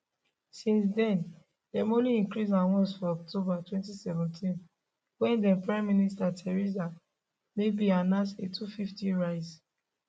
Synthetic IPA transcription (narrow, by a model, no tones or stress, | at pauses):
sĩnsdɛ̃n | lɛmõliĩŋkɹizãnwɔ̃nsfɔɔk̚tobatwɛ̃ntisɛvɛ̃ntʰĩn | wɛ̃ndɛ̃npɹãɪ̃mːĩnistatʰɛɹiza | mebianãsetufiftĩɹaɪz